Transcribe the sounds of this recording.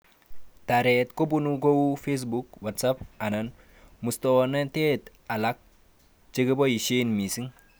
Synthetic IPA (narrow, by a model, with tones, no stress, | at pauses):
taɾetko˦bunuɡo˦wfes̬bukwa˨tsapa˨nan | mu˨stone˦nte˦t | a˨lak̚ | t͡ʃe˦ɡi˦bo˦ji˨ʃe˦nmi˨si˦ŋ